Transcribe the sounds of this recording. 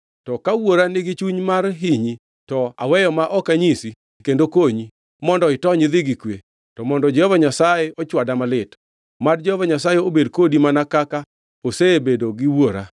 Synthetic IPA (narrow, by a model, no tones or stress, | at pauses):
tɔkawoɾanɪɡɪt͡ʃuɲmarɦiɲi | tɔa̰wɛjɔmaʔɔkaɲisi | kendokoɲi | mɔndɔɪtɔɲɪðɪɡikwe | tɔmɔndɔd͡ʒɔhɔvaɲasajɛɔt͡ʃwadamalɪt | mard͡ʒɔhɔvaɲasajɛobedkodimanakaka | osebedoɡɪwoɾa̰